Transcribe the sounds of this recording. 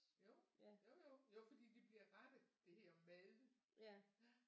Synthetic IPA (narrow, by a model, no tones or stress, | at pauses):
joʊ̰jojojoʊfɒ̽d̥ḭːd̥ib̥liɐʁɑd̥əð̩ˠd̥e̝heɐ̰mɛðˠə